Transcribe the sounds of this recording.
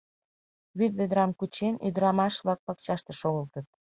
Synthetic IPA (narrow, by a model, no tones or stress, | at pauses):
βyd̪βed̪ɾɑmkut͡ɕeny̰d̪ɾɑmɑʃβlɑk̚pɑk̚t͡ɕɑʃt̪ĕʃoɣəlt̪ət̪̚